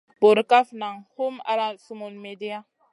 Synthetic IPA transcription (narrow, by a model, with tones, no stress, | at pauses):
bo˨ɾka˦fna˨ŋhu˦ma̰˦ɾa˦su˦mo˨nme˨di˦a˦